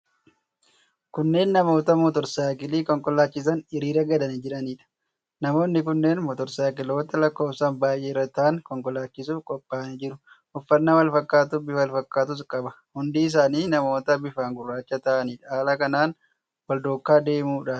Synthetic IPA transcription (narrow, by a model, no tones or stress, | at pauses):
kʊnːe̞ːnːɐmo̞ːt̪ɐmɔt̪ɔɾsaːkɪliːkɔŋkʼɔlaːt͡ʃːɪs̬ɐnɪɾiːɾɐɡɐd̪ɐnɪd͡ʒɪɾɐniːᶑɐ̥ | nɐmo̞ːnːɪkʊnːeːnmɔt̪ɔɾsaːkɪlo̞ːt̪ɐlɐkːo̞ːfsaːnbaːjʔeːɪrːɐt̪ɐʔɐŋkɔŋkʼɔlaːt͡ʃːɪsufkʼɔpʼːaːɐnɪd͡ʒɪɾʊ | ʔʊfːɐnːɐwɐlfɐkʼːaːt̪ʊbɪwɐlfɐkːaːt̪̬ʊskʼɐbɐ̥ | hʊnd̪iːɪs̬aːniːnɐmo̞ːt̪ɐbɪfaːŋɡʊrːaːt͡ʃːɐt̪ɐʔɐniːᶑɐaːlɐkɐnaːn | wɐld̪oːkːaːd̪e̞ːmuːᶑaː